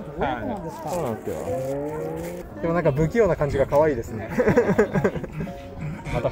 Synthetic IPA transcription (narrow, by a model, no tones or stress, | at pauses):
ad̪esksoːnãnesjo̰ | d̪emo̞nãŋkabɯ̟kʲijo̞ːnakãɲ̟d͡ʑiɡakaβaiːd̪e̞sɨne̞ | mat̪a